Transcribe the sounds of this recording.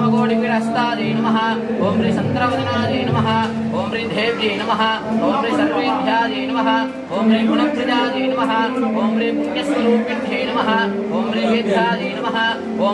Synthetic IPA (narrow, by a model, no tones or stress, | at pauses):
mɐɡoːɽiʋiɽɐst̪aːd͡ʒiːnɐmɐɦɐ̆ | oːmɾisɐnt̪ɾɐʋɐd̪ɐnaːd͡ʒiːnɐmɐɦɐ̆ | oːmɾiːd̪ʱeːʋd͡ʒiːnɐmɐɦɐ̆ | koːmɾisɐɾʋeːd̪ʱjaːd͡ʒiːnɐmɐɦɐ̆ | oːmɾiːkunɐd̪ʱɐd͡ʒaːd͡ʒiːnɐmɐɦɐ̆koːmɾiːmunjɐst̪ɐɾuːkjɐd̪ʱiːnɐmɐɦɐ | koːmɾiʋeːd̪ʱjaːd͡ʒiːnɐmɐɦɐ̆ | oː